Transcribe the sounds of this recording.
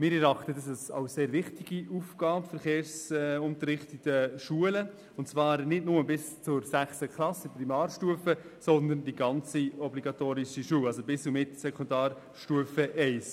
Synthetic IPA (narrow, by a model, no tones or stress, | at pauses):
mɪːɾɛɾɑχtədɑsɛsa̰ʊseːɾvɪχtiɡ̥iʔufɡ̥aːpfɛɾχeːɾsʊntəɾɪχtətəʃuələ | ʊntt͡svɑːɾnɪdnʊməbɪst͡sʊɾsæχsəkʰlɑsəprimɑːrʃtuəfəsɔnd̪əndiɡɑnt͡siɔbliɡɑtoːɾiʃiʃuːwɑlsobɪsumɪtsɛkʰondɑːɾ | ʃtuəfəʔɛɪs